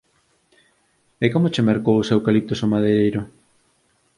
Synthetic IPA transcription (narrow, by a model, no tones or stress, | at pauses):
ekomot͡ʃemeɾkowʊsewkalit̪osomaðeejɾʊ